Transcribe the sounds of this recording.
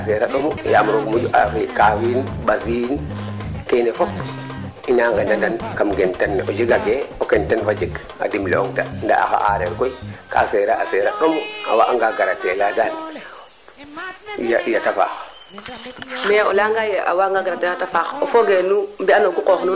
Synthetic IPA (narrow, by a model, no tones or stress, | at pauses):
aseɾaɗomujamɾoɡmud͡ʒuʔa̰fikawiːnbaziːn | kenefop | inaŋɡendandankamɡentanːʔod͡ʒiɡaɡeokentanfad͡ʒik | a̰dimlɛ̰oŋtanda̰ʔa̰xa̰ʔa̰ɾeɾkojika̰seɾaaseɾaɗomua̰waʔaŋɡaɡaɾatːeladal | ijaʔijatafa̰ːx | mɛolaŋɡajeʔa̰waŋɡaɡaɾatːeatafaxofoɡenumbianoɡuqoxnu